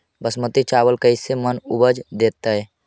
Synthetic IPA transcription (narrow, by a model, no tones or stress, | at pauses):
bəsmət̪it͡ʃaːwəlkəɪsemənʊbəd͡ʒd̪eːt̪ːaɦɛː